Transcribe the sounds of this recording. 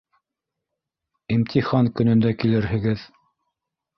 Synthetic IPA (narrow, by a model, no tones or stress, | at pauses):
imt̪ʰiχɑŋkɵ̆nɵ̆nd̪ækilɘɾhɘ̆ɡɘð